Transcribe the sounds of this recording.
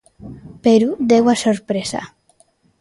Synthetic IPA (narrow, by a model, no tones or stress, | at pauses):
peɾud̪ewasoɾpɾesa̰